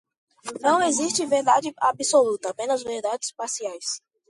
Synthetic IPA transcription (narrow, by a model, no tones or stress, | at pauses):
nɐ̃w̃eziʃt͡ʃɪveɾd̪ad͡ʒɪabisolut̪ɐapẽnɐzveɾd̪ad͡ʒɪspasiajs